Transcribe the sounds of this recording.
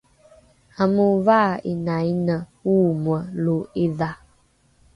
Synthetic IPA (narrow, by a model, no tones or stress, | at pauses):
amuvaḭnajnəwuməloeða